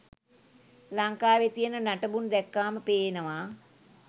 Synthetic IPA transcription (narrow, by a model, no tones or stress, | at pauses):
laŋkaːʋet̪ijənənaʈəbund̪ɛkːaːməpeːnəʋaː